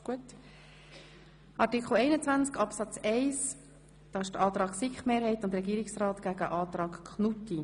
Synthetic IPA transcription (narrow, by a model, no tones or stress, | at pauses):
ɡ̥uət | ʔɑɾtikχl̩ɛɪnət͡sʋænt͡skɑpsɑt͡sɛɪs | d̥ɑːɪʃd̥ʔɑːt̪ɾɑːksɪkχmeːɾhɛɪtʊntɾɛɡiːɾɪksrɑːt̪ɡ̥æɡə̰ʔɑːt̪ɾɑːkkχnuti